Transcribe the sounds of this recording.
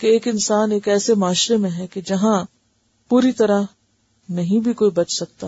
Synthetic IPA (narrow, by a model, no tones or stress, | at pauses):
keeːkɪnsaːneːkɛːsemaːʃɾemẽɦɛked͡ʒɐɦã | puːɾit̪ɐɾa | nɐɦĩbʱikoːibɐt͡ʃsɐk̚t̪aː